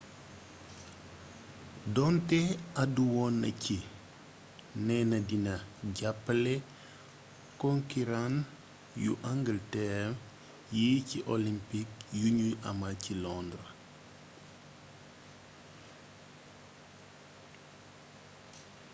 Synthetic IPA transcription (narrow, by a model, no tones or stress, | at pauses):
dɔntɛaduwɔnːɐ̰ci | nɛnɐdinɐɟapːlɛ | kɔŋkiɾan | juʔaŋɡəltɛm | jiːciʔolimpik̚juɲuʔɐ̰macilɔndɾə